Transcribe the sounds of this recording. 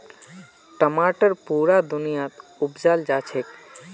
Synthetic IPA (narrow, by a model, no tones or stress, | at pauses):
ʈəmaʈəɾpuɾad̪unijat̪upd͡ʒald͡ʒat͡ʃʰek